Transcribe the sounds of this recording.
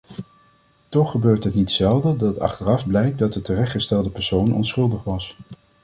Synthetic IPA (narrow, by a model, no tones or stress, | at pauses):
tɔχːəbøːɹtɦətnitsɛlˠdədɑtɑ̰χtərɑfblɛjk̚dɑt̚dətərɛχtχəstɛlˠdəpɛɹsownɔ̰nsχɵlˠdəχʋɑs